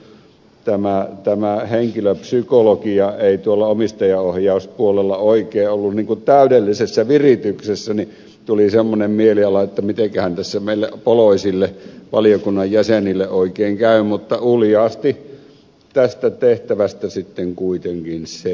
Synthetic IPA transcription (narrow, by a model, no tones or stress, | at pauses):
t̪æmæt̪æmæheŋkiløpsykolokiɑeˑit̪uolːɑomist̪ɑjɑohjɑˑuspuolelːɑoˑikeːʔolːunniːŋkut̪t̪æˑydelːisesːæʋirit̪yksesːæni | t̪ulisemːonemmieliɑlɑet̪ːæmit̪ekæhænt̪æsːæmeˑilːḛʔpoloˑisilːeʋɑlijokunːɑjjæsenilːeʔoˑikeːŋkæˑymut̪ːɑuljɑːst̪i | t̪æst̪æt̪eht̪æʋæst̪æsit̪ːeŋkuit̪eŋkinse